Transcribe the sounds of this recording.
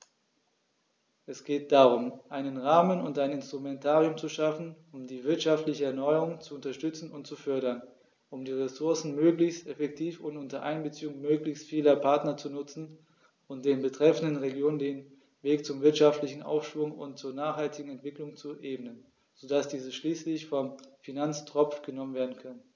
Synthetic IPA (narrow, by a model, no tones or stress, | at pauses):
ʔɛsɡ̥eːt̚d̥aːʁʊmʔaɪnənʁaːmənʊntaɪnɪnstʁ̥umɛntʰaːʁiʊmt͡suʃafn̩ | ʊmdiːvɪɐtʃaftlɪçəɛɐnɔʏəʁʊŋt͡suʊntɐʃtʏt͡sn̩ʊntt͡sufœɐɾɐn | ʔʊmdiːʁesʊɐsn̩møːklɪçstɛfɛk̚tʰiːfʊntʊntɐʔa̰ɪnbət͡siːʊŋmøːklɪçstfiːlɐpʰaɐtnɐt͡sunʊt͡sn̩ | ʔʊnt̚d̥eːnbətʁ̥ɛfn̩dənʁeɡjoːnəndeːn | veːkt͡sʊmvɪɐtʃaftlɪçn̩ʔa̰ʊfʃv̥ʊŋʊ̰ntt͡suːɐnaːχhaltɪɡŋ̩ɛntv̥ɪklʊŋt͡suʔeːbənən | z̥odasd̥iːzəʃliːslɪçfɔmfinant͡stʁ̥ɔp͡fɡ̥ənɔmənveːɐdn̩kʰœnən